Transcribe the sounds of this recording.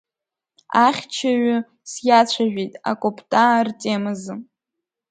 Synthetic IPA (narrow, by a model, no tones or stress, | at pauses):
aχʲt͡ʃʰaɥʊ | sjat͡ɕʷʰaʒᶣejtʼa̰kʷʼopʰtʼartʼemɨzɨ